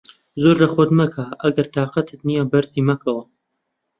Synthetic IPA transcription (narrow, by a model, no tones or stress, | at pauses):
zoɾlɐxod̪mɐkʰaːʔɐɡɐɾt̪ʰaːqɐt̪ʰɨt̪nijabɐɾziːmɐkʰɨwɐ